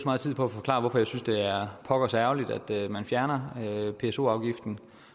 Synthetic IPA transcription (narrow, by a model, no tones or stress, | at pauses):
smɑ̈ːðˠt͡sʰið̰ˠpʰɒ̽æfɒ̽kʰlɑ̰̈ːʋɒfɒ̽jɑ̈ɪsynsd̥e̝æɐpʰɒ̽ɡ̥ɐsæʊlid̥æ̰d̥mænfjæɐnɐøpʰe̝so̝̰ːɑ̈ʊɡ̥ifd̥n̩